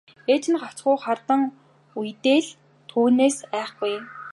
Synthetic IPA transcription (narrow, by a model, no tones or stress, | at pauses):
eːt͡ɕ̆nχḁt͡sɢʊːχart̪ə̆ŋ | ujt̪eːɮ | t̪ʰuːneːsæːχɡuj